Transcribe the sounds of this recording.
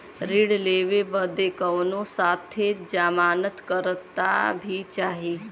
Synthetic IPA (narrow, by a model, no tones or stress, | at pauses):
ɾiɽleːʋebəd̪ekəʋnõsaːt̪ʰed͡ʒaːmaːnət̪kəɾt̪ːa̰bʱit͡ʃaːɦiː